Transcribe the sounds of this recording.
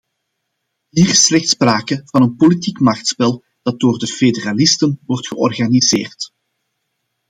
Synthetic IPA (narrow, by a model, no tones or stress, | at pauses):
ɦiːrɪsːlɛxtspraːkəv̥ɑnənpolitikmɑxtspɛlˠ | d̥ɑt̚doːrdəfedəralɪstənʋɔrtxəʔɔrɣanizeːrt